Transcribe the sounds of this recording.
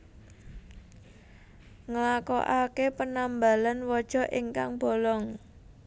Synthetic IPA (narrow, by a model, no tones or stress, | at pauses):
ŋəlakɔʔakepənamba̤lanwɔd̥ʒ̥ɔ̤ʔiŋka̰ŋb̥o̤lɔŋ